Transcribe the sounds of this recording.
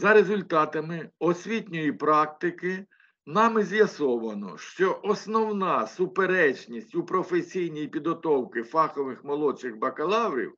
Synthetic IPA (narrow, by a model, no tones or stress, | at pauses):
zɐɾezʊlʲt̪ɑt̪ɐmɪɔsʲʋʲitʲnʲʊjipɾɑk̚t̪ɪkɪ | nɑmɪzʲjɐsɔʋɐnɔ̰ʃt͡ʃɔʔɔsnɔwnɑsʊpeɾɛt͡ʃnʲisʲtʲupɾɔfesʲijnʲijipʲid̪ɦɔt̪ɔwkɪfɑxɔʋɪxmɔlˠɔt͡ʃɪxbɐkɐlˠɑwɾʲḭw